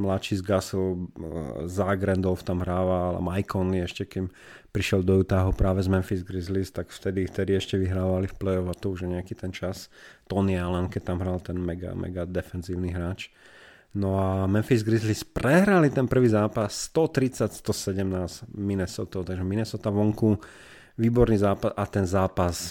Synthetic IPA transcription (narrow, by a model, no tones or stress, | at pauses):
mlat͡ʃizɡasl | zaɡɾɛnd̪ɔlft̪amɦɾaːʋala̰majkɔnliɛʃcɛkim | pɾiʃɛld̪ɔjut̪aɦupɾaːʋɛzmɛnfizɡɾizlist̪akft̪ɛd̪ift̪ɛd̪iɛʃcɛʋiɦɾaːʋalifplɛjɔvat̪ɔuʒaɲɛakit̪ɛnt͡ʃast̪ɔnialɛnkɛc̚t̪amɦɾalt̪ɛnmɛɡa̰mɛ̰ɡad̪ɛfɛnziːʊniɦɾaːt͡ʃ | nɔamɛnfizɡɾizlispɾɛɦɾalit̪ɛnpr̩ʋiːzaːpasːt̪ɔt̪ɾit͡sacst̪ɔsɛɟɛmnaːzminɛsɔt̪ɔʊt̪aɡʒɛminɛsɔt̪aʋɔŋku | ʋiːbɔɾniːzaːpasat̪ɛnzaːpas